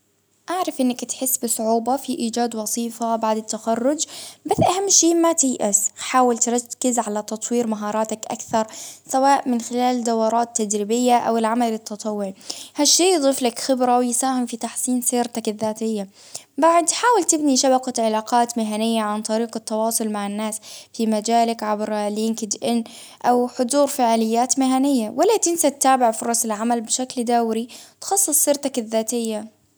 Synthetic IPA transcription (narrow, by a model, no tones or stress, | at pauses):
ʔaʕɾˤɑfʔɪnːakt̪ħɪsːbɨsˤʕuːbafiʔiːd͡ʒaːd̪wɑsˤiːfabaʕd̪ɪt̪ːaxɑrˤːʊd͡ʒbaθʔahamːʃiːmat̪ɪjʔɪsħaːwɪlt̪ɾˤɑkːɪzʕalat̪ɑt̪ˤwiːɾmaɦɑːɾˤɑːt̪akʔa̰kθɑɾˤsawaːʔmɪnxɪlaːld̪awɑɾˤɑːt̪ːad̪ɾɪbɪjːaʔa̰wɪlʕamalɪt̪ːɑt̪ˤɑwːʊʕhaʃːiːjd̪ˤiːflakxɪbɾawɪjsaːhɪmfit̪aħsiːnsiːɾt̪akɪðːaːt̪ɪjːa | baʕd̪ħaːwɪlt̪ɪbniʃabaqaʕɪlaːqɑːt̪mɪɦanɪjːaʕant̪ˤɑɾiːqɪt̪ːɑwɑːsˤʊlmaʕɪnːaːsfimad͡ʒaːlakʕabɾlɪŋkɪd͡ʒʔɪnː | ʔawħʊd̪ˤuːɾfaʕlɪjːaːt̪mɪɦanɪjːawalːat̪ɪnsat̪ːaːbɪʕfʊɾˤɑsɪlʕamalbɪʃakld̪awɾit̪xɑsˤːɨsˤːɪɾt̪akɪðːaːt̪ɪjːa